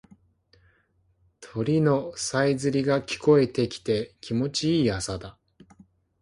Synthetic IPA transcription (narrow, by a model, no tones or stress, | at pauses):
t̪ʰo̞ɾʲino̞saizɨɾʲiɡakʲi̥ko̞e̞t̪e̞kʲi̥t̪e̞kʲʰimo̞t͡ɕiiːasad̪a